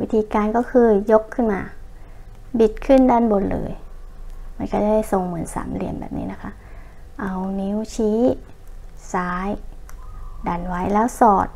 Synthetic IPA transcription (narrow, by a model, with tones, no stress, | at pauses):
wi˦˥t̪ʰiː˧kaː˧nkɔː˧˥˩kʰɯː˧jo˦˥kʰːɯ˥˨nmaː˧ | bi˨˩t̪̚kʰɯ˧˥˩ndaː˧˩˨nbo˧˦nlɤ̰ː˨˦j | ma˧˨nkɔ˧˩da˧˩da˧˥˩jso˨˩ŋmɯ˩˦ənsa̰ː˩˦mli˧˩əmbɛ̰˨˩p̚nḭː˧˥na˦˧˥kʰa˦˧˥ʔ | ʔa˧˩wni˧˦˥wt͡ɕʰiː˦˥ | saː˨˦j | da˨˩nwa˦˥jlɛː˦˧˥wsɔː˨˩t̪̚